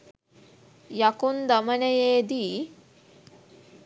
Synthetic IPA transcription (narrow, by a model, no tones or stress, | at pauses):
jakund̪ɐmɐnejeːd̪i